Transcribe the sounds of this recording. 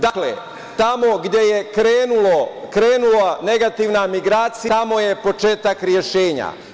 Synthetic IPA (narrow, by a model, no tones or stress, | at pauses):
d̪aklḛ | t̪amo̞ɡd̪je̞je̞kɾeːnulokɾeːnulane̞ɡat̪iʋnamiɡɾaːt̪siamoje̞po̞t͡ʃe̞ːt̪akɾje̞ʃeːɲa̰